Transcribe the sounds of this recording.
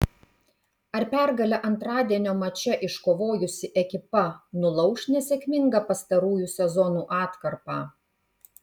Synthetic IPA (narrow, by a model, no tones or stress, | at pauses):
ɐɾpʲæˑɾɡɐlʲɛʔɐnt̪ɾɑːd̪ʲiɛnʲoːmɐt͡ʃʲɛʔɪʃkoːʋoːjʊsʲɪʔɛkʲɪpɐnʊlˠɐʊʃʲnʲɛsʲɛkʲmʲɪŋɡɐpɐst̪ɐɾuːjuːsʲɛzɔnuːʔɑːt̪kɐɾpɑː